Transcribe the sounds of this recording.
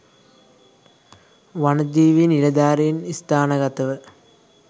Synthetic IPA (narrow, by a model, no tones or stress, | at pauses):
ʋɐnɐd͡ʒiːʋijiniɻɐd̪aːɾijinist̪aːnɐɣɐt̪ːɐʋɨ